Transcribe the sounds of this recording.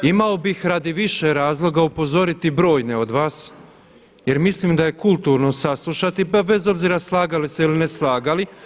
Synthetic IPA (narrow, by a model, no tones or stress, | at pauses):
imao̞bixɾad̪iʋiʃeɾaːzlˠo̞ɡaupo̞zo̞ɾit̪ibɾo̞ːjne̞o̞d̪ʋaːs | je̞ɾmisliːmd̪aje̞kulˠt̪uːɾno̞saslˠuʃat̪ipabe̞zo̞bziɾaslˠaːɡaliseilineslˠaːɡali